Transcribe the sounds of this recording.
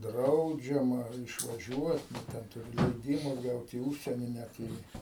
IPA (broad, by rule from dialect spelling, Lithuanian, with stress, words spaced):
ˈdrɐʊd͡ʒʲɛmɐ ɪʃʋɐˈʒʲuɔt nʊ ˈtʲɛn tʊˈrʲɪ lʲɛɪˈdʲiːmɐ ˈɡɐʊt iː ˈʊʃʲsʲiɛnʲiː ˈnʲæt ɪr iː